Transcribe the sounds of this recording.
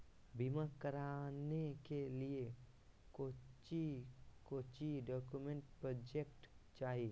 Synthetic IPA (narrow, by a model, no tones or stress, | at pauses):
bʱimakəɾanekelie | kot͡ʃikoːt͡ʃiɖɔːkumẽɳʈpɾɔd͡ʒekʈt͡ʃaːɦi